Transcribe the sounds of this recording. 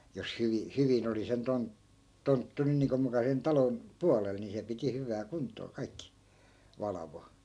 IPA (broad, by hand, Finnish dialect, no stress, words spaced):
jos hyʋi hyʋin oli sen ton tontːu nyn niːŋko mukɑ sen tɑlon puɑlel ni se piti hyʋæː kuntˑoː kɑikːi ʋɑlɑʋo